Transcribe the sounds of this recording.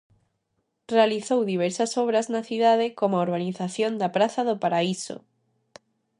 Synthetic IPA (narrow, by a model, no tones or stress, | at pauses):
realiθowðiβ̞ɛɾsasɔβ̞ɾaznaθiðað̞ekomooɾβaniθaθjond̪apɾaθaðopaɾaiso̰